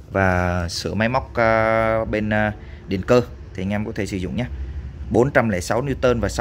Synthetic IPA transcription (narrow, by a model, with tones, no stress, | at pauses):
vaː˨˩sɨ̰˧˩əma˨˦jma˦˥wk͡p̚ːɓe˧nː˧ | ɗi˨˩ənkəː˧ | t̪ʰi˨˩ŋɛ˧mkɔ˨˦t̪ʰe˧˩sɨ̰˧˩zʊ̰˧˨ŋ͡mɲaː˨˦ɓo˨˦nt͡ɕa˧mlɛ̰˧˩sa˨˦wni˧t̪əː˧nvaː˨˩sa˨˦